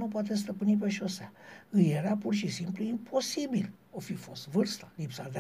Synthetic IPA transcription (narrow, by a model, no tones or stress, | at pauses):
nupoat̪̬es̬t̪əpɨnip̬e̞ʃo̞seaɨje̞ɾapurʃisimpluimpʰo̞sibil | ofifo̞st̪vɨrst̪ḁlipsad̪e